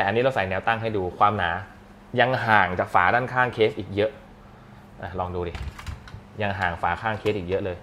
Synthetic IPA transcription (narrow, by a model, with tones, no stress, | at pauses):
t̪ɛː˨˩a˧nːi˦˥ɾa˧wsa˩˦jnɛː˦˥wt̪a˥˩ŋɦa˥˩jduː˧kʰwaː˧mnaː˩˦ | ja˧ŋɦaː˨˩ŋt͡ɕaː˨˩k̚faː˩˦daː˥˩nkʰaː˥˩ŋkʰeː˦˥t̚ʔiː˨˩k̚jɤ˦˥ʔ | ʔa˧˩lɔː˧ŋduː˧di˨˩ | ja˧ŋɦaː˨˩ŋfaː˩˦kʰaː˥˩ŋkʰeː˧˦˥t̚ʔiː˨˩k̚jɤ˦˥ʔlɤː˧j